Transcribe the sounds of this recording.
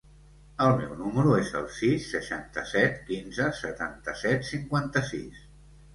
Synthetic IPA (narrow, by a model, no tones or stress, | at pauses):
əlˠmɛwnuməɾuezə̰lˠsisːəʃant̪əsɛt̪kinzəsət̪ant̪əsɛt̪siŋkwant̪əsis